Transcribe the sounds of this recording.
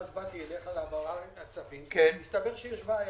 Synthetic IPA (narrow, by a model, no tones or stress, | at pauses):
zbakijeleχalabaʁaʁemat͡savimkenmist̪abeʁʃejeʃbaaj